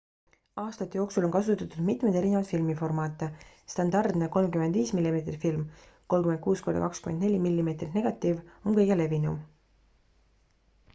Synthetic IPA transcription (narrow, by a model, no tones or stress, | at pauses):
ɑːst̪ɑt̪ːejo̞ːksulo̞nkɑsut̪ːˑɑt̪ːud̪̥mit̪mejd̪e̞ɾinevɑd̪filmifo̞rmɑːt̪ːˑe | st̪ɑnd̪ɑrd̪̥neko̞lmkyme̞nd̪viːsmilːime̞ːt̪rifilm | ko̞lkymen̚kuːsko̞ɾd̪ɑ̰kɑkskymend̪ne̞lʲimilːime̞ːt̪rit̪ne̞ɡ̥ɑt̪ːˑivo̞nkɤjɡele̞vinṵm